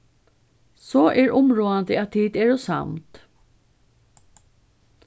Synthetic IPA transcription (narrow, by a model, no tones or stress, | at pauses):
sɔːʔɛɹʊmɹuːand̪əæt̪ʰiːt̪ɛɹɔsa̰mt̪